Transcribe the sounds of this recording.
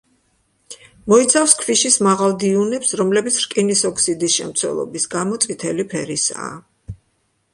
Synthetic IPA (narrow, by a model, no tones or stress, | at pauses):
mɔit̪sʰafskʰviʃismaʁalˠd̪iunɛpsɾɔmlɛbit̪sʰɾkʼinisɔkʰsid̪isʃɛ̰mt̪sʰwɛ̰lˠɔ̰bisɡamɔt̪sʼit̪ʰɛlipʰɛɾisa̰ː